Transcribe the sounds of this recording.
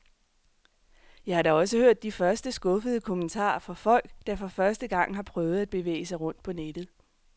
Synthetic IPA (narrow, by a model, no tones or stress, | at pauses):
jɑɪhɑ̈ɾɑɒ̽səhøɐ̰d̥ːifɶɐsd̥əsɡ̥ɔ̽fəð̞ˠəkʰomənt͡sʰɑ̰̈ːfɒ̽fɒ̽l̰ɡ̥d̥ɑfɒ̽fɶɐsd̥əɡ̥ɑ̈ŋ̰ɦɑ̈pʰʁœːʊð̩ˠæd̥̚b̥e̝ʋḛːɪəsɑ̈ɪʁɔ̽n̰d̥̚pʰɒ̽ned̥ð̩ˠ